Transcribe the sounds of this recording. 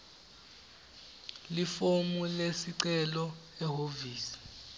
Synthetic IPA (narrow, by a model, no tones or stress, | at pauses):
lifomulesiǀɛlɔɛɦoviːsi̥